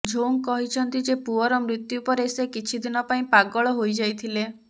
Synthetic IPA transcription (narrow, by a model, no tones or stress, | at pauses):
d͡ʒʱoŋkɔɦit͡ʃʰɔnt̪id͡ʒepuɔɾɔmɾit̪jupɔɾesekit͡ʃʰid̪inɔpaĩpaɡɔɭɔɦojd͡ʒajt̪ʰile